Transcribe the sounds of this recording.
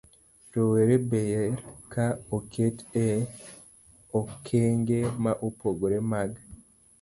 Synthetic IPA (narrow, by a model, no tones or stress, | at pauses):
ɾoweɾebejeɾkaokʰete | okʰeŋɡemaʔupoɡoɾemaɡ